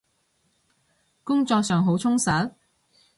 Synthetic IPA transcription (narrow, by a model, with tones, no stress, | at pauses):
kʊ˥ŋt͡sɔː˧k̚sœː˨˩ŋɦo˨˥wt͡ʃʰʊ˥ŋsɐ˨˥t̚